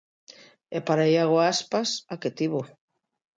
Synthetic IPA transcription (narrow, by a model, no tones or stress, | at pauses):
epaɾajaɣ̞oaspasaket̪iβo